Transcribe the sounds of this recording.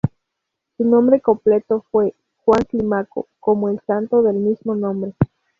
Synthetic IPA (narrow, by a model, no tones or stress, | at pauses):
sunõmbɾe̞komple̞t̪ofwe̞ | xwaŋklimako̰ko̞moelsant̪o̞ðe̞lmizmo̞nõ̞mbɾe̞